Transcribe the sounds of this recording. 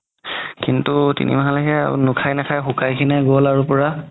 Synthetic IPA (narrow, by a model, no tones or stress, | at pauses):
kintutḭnḭmaɦalɛɦɛa̰ṵnʊkʰajnɛkʰajxukajkʰinɛɡolaɹupɔɹa